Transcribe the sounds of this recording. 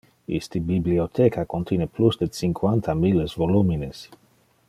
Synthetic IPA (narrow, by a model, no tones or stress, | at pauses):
ḭst̪ibibliot̪ʰekʰakont̪jineplusd̪et͡siŋkʰwant̪ʰamilesvolumines